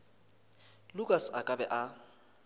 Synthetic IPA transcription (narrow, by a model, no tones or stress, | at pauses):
lʊkʼasakʼabɛʔa